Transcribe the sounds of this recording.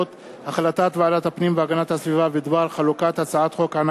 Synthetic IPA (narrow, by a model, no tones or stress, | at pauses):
ot̪ | haχlat̪at̪veʕalat̪hapnimveaɡanat̪hasvivaved̪baɾχalukat̪hat͡saat̪χo̞kʕana